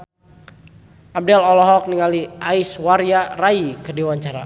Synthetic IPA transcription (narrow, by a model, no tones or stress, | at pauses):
ʔab̚dɛlɔlɔɦɔk̚niŋaliʔaiswaɾjaraikədiwaɲt͡ʃaɾa̰